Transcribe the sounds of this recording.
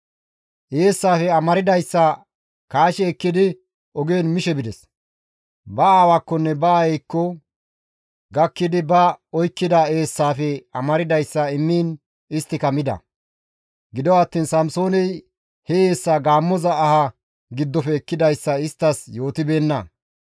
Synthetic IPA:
ʔeːsːaːfɛɐmɐɾɪd̪ɐjsːɐ | kaːʃɛːkːɪd̪ɪ | ɔɡeːnmɪʃɛbɪd̪ɛs | bɐaːwakːɔnːɛbɐːɛjkːɔ | ɡɐkːɪd̪ɪbɐɔjkːɪd̪ae̞ːsːaːfɛɐmɐɾɪd̪ɐjsːɐɪmːiːn | ɪst̪ːɪkɐmɪd̪ɐ̰ | ɡɪd̪ɔwɐt̪ːiːnsɐmso̞ːnɛj | heeːsːaːɡaːmːɔzɐːhɐ | ɡɪd̪ːɔfɛːkːɪd̪ɐjsːɐɪst̪ːɐsjo̞ːt̪ɪbe̞ːnːɐ

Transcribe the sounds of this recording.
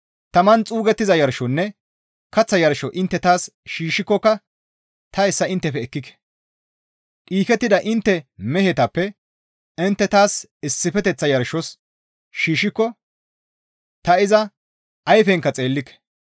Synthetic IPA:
t̪ɐmɐnt͡sʼuːɡɛt̪ːɪzɐjɐɾʃɔnːɛ | kɐt͡sːɐjɐɾʃɔʔɪnt̪ːɛt̪aːsʃiːʃɪkːɔkːɐ | t̪ʰɐɛsːɐɪnt̪ːɛfɛɛkːɪkɛ̥ | ᶑʼiːkɛt̪ːɪd̪ɐʔɪnt̪ːɛmɛhɛt̪ɐpːɛ | ɪnt̪ːɛt̪aːsɪsːɪfɛt̪ɛt͡sːɐjɐɾʃɔs | ʃiːʃɪkːɔ | t̪ɐɪzɐ | ɐjfɛŋkːɐt͡sʼe̞ːlːɪkːɛ̥

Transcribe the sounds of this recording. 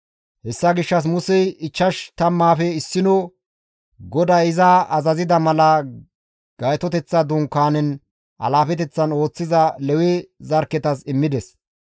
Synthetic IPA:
hɛsːɐɡɪʃːɐs̬mʊsɛjɪt͡ʃːɐʃt̪ɐmːaːfɛɪsːɪnɔ | ɡɔd̪aːɪzaɐzɐzɪd̪ɐmɐlɐ | ɡ̥ɐjt̪ɔt̪ɛt͡sːɐd̪ʊŋkːaːnɛn | ʔɐ̰laːfɛt̪ɛt͡sːɐno̞ːt͡sːɪzɐlɛwɛzɐɾkːɛt̪ɐsɪmːɪd̪ɛs

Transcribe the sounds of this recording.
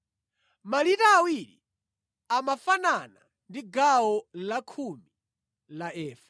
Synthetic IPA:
malitaːwilḭ | amafanana | ndiɡaɔlakʰumi | laɛːfḁ

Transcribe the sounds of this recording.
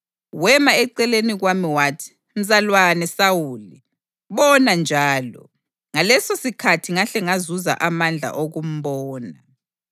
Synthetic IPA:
wɛmaɛǀɛleniɣwamiwatʰ | m̩zʼalwanɛsawuli | βɔnand͡ʒʱaːlɔ̰ | ŋalɛsosikʰatʰiŋaɬɛŋazuza̰ʔamand͡ɮʱa̰ʔoɣum̩βɔːna

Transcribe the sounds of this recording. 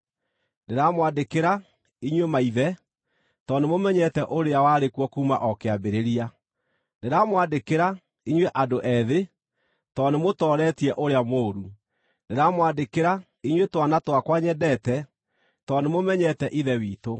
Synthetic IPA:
neɾamwadekeɾa | iɲwemaiðɛ | tɔnemomɛɲɛtɛʔoɾeawaɾekwɔkuːma̰ʔɔkeabeɾeɾia | neɾamwadekeɾa | iɲweʔadoʔɛðe | tɔnemotɔːɾɛtiɛʔoɾeamoːɾu | neɾamwadekeɾa | iɲwetwanatwakwaɲɛdɛtɛ | tɔnemomɛɲɛtɛʔiðɛwiːto

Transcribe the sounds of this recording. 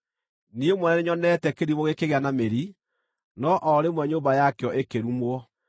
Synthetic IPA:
niemwɛnɛneɲɔnɛtɛkeɾiβoɣekeɣeanameɾi | nɔʔɔɾemwɛɲoːmbajakeɔʔekeɾumwɔ

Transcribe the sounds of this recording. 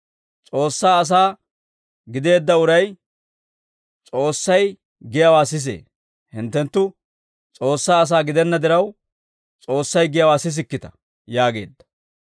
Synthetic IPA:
t͡sʼo̞ːsːaːɐs̬aː | ɡɪd̪e̞ːd̪ːɐʊɾɐj | t͡sʼo̞ːsːɐj | ɡɪjɐwaːsɪs̬ḛː | hɪnt̪ːɛnt̪ːʊ | t͡sʼo̞ːsːaːɐs̬aːɡɪd̪ɛnːɐd̪ɪɾɐw | t͡sʼo̞ːsːɐjɡɪjɐwaːsɪs̬ɪkːɪt̪ɐ̥ | jaːɡe̞̰ːd̪ːɐ̥

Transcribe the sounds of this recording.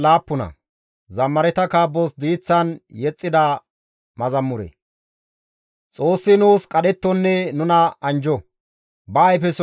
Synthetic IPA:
laːpːʊnɐ̰ | zɐmːɐɾɛt̪ɐkaːbːosd̪iːt͡sːɐnjɛt͡sʼːɪd̪ɐ | mɐzɐmːʊɾḛ | t͡sʼo̞ːsːɪnuːskʼɐɗɛt̪ːɔnːɛnʊnɐɐnd͡ʒɔ | bɐːjfɛs

